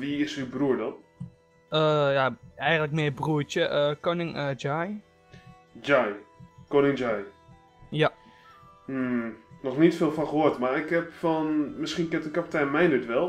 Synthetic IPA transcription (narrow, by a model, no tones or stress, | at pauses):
ʋiɪsybruəɹdɔn | əjaɛjɣətlək̚mɪəbruətjəʔəkonɪŋd͡ʒaj | d͡ʒajkonɪŋd͡ʒaj | ja | m̩nɔxnitfeːlˠfɔnxəɦoətmarɪkhɛpfɔnmɪskinkɪntənkapitɛnmɛjndətʋɛlˠ